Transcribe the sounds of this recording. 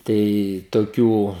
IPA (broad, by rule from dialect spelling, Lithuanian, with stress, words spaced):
ˈtɐɪ toːˈkʲuː